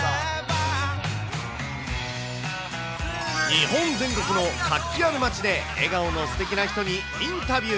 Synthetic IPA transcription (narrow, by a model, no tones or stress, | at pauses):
ɲiɦõ̞nzẽ̞ŋko̞kɯ̟no̞kakʲːiaɾɯmat͡ɕid̪e̞ | ḛɡaono̞sɨ̥t̪e̞kʲinaçi̥t̪o̞ɲ̟i | ĩnt̪abʲɯ